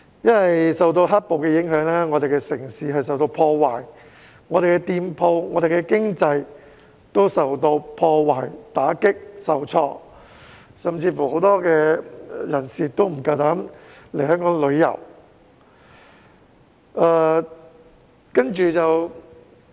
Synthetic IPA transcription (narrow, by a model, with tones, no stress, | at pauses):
jɐ˥nwɐ˨jsɐ˨wt̪̬o˧wɦaː˥t̚po˨˧wkɛː˧jɪ˨˥ŋɦœː˨˥ŋlɛː˥ŋɔː˨˧ɾe˨˩kɛ˧sɪ˨˩ŋsiː˨˧ɦɐ˨jsɐ˨wt̪o˧wpʰɔː˧waː˨˩j | ŋɔː˨˧ɾe˨kɛ˧t̪iː˧mpʰo˧wŋɔː˨˧d̪e˨jkɛ˧kɪ˥ŋt͡sɐ˧j | t̪o˥wsɐ˨wt̪o˧wpʰɔː˧waː˨˩jt̪aː˨˥kɪ˥k̚sɐ˨wt͡sʰɔː˧ | sɐ˨mt͡siː˧fuː˨˩ho˨˥wt̪ɔː˥kɛː˧jɐ˨˩nsiː˨t̪o˥wm̩˨˩kaː˧t̪aː˨˥mle˨˩jɦœː˥ŋkɔː˨˥ŋlɵ˨˧ɥjɐ̰˨˩w | aː˧ | kɐ˥nt͡ʃyː˨˩t͡sɐ˨w